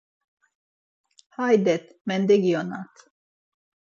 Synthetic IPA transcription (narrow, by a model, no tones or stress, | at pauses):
hajd̪ɛt̪mɛnd̪ɛɡionat̪